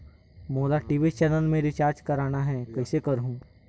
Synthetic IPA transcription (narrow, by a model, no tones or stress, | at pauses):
moːlaʈiːʋit͡ʃɛːnəlmẽɾɪt͡ʃaːɾd͡ʒkɐɾaːnaɦɛːkɐɪsekɐɾɦũː